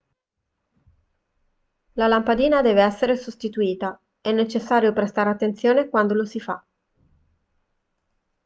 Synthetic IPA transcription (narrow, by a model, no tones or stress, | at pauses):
lalampad̪iːnad̪ɛːveɛsːeɾesost̪it̪uiːt̪a | ɛnːet͡ʃesːaːɾjopɾest̪aɾat̪ːent̪sjoːnekwand̪olosifa̰